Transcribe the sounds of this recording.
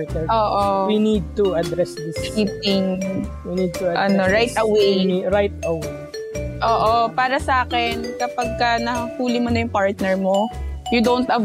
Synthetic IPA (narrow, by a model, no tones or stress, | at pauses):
t̪nɛʔoːʔowinid̪̚t̪uɐd̪ɾɛsd̪ɪskip̚ɪŋwinid̪̚t̪ʊʔɐ̰noɹajt̪ɐwemiɾajt̪̚ɐwej | ʔoːʔopaːɾɐsɐʔaːkɛnkɐpɐɡ̚kɐnɐhuːlɪmonɐjʊŋpaɹt̪̚nɛɹmojʊd̪ont̪ɐ